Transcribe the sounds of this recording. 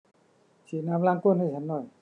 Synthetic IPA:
t͡ɕʰi˨˩˨na˧mla˧ŋko˥˨nha˥˩˨t͡ɕʰa˨˦nːɔ˧˩j

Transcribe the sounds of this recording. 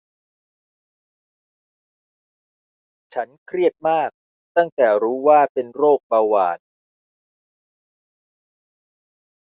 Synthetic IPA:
t͡ɕʰa˦˥nkʰɾi˥˩ət̪̚maː˥˩k̚ | t̪a˥˩ŋt̪ɛː˨˩ɾuː˦˥waː˥˩pe˧nɾoː˥˩k̚baː˧wa̰ː˨˩n̚

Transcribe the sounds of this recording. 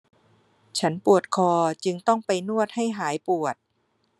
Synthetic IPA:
t͡ɕʰa˦˥npu˨˩ət̪̚kʰɔː˧t͡ɕɯ˧ŋt̪ɔ˥˩ŋpa˧jnu˥˩ət̪̚ha˥˩jɦaː˩˦jpu˨˩ət̪̚

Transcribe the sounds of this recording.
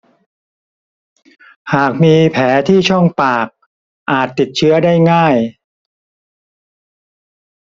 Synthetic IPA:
haː˨˩k̚miː˧pʰɛː˩˦t̪ʰiː˥˩t͡ɕʰɔ˥˩ŋpaː˨˩k̚ | ʔaː˨˩t̪ːi˨˩t̪̚t͡ɕʰɯ˦˥ɐdaː˥˩jŋaː˥˩j

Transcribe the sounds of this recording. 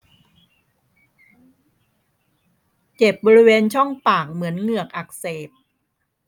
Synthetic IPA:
t͡ɕe˨˩p̚bɔː˧ɾi˦˥weː˧nt͡ɕʰɔ˥˩ŋpaː˨˩k̚mɯ˩˦ənŋɯ˨˩ək̚ʔa˨˩k̚seː˨˩p̚

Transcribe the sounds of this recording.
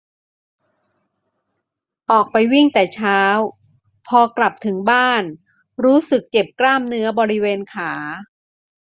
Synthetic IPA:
ʔɔː˨˩k̚pa˧jwi˥˩ŋt̪ɛː˨˩t͡ɕʰaː˦˥w | pʰɔː˧kla˨˩p̚t̪ʰɯ˩˦ŋbaː˥˩n | ɾuː˦˥sɯ˨˩k̚t͡ɕe˨˩p̚klaː˥˩mnɯ˦˥ɐbɔː˧ɾi˦˥weː˧nkʰaː˩˦

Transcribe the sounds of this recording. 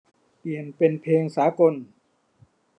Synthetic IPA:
pi˨˩ənpe˧npʰeː˧ŋsaː˩˦ko˧n

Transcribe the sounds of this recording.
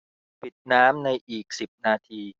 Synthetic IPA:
pi˨˩t̪̚naː˦˥mna˧jʔiː˨˩k̚si˨˩p̚naː˧t̪ʰiː˧

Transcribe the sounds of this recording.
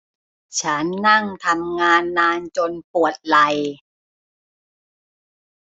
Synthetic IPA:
t͡ɕʰa˦˥nːa˥˩ŋt̪ʰa˧mŋaː˧nːaː˧nt͡ɕo˧npu˨˩ət̪̚la˧j

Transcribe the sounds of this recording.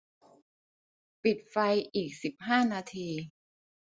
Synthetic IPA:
pi˨˩t̪̚fa˧jʔiː˨˩k̚si˨˩p̚ɦaː˥˩naː˧t̪ʰiː˧

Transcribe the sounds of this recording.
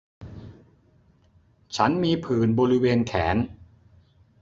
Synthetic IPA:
t͡ɕʰa˦˥nmiː˧pʰɯː˨˩nbɔː˧ɾi˦˥weː˧nkʰɛː˩˦n

